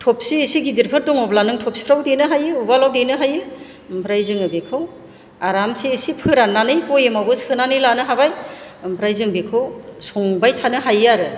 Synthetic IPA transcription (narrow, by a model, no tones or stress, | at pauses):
tʰɔp̚siːsiɡidiɾpʰɯɾdɔŋɔblanɯŋtʰɔp̚si̥pʰɾawdenɯɦajɯubalawdenɯɦajɯ | pʰɾajzɯŋɯbekʰɯw | aɾamsiːsipʰɯɾanːanɯjpɔjemabɯsʰɯnanɯjlanɯɦabajpʰɾajzɯŋbekʰɯwsɔŋbajtʰanɯɦajaɾɯ